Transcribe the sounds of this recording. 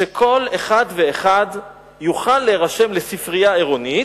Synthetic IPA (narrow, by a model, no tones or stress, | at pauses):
ekʰo̞leχad̪veːχad | juχalːeʁaʃe̞mlesifʁijaeʁoni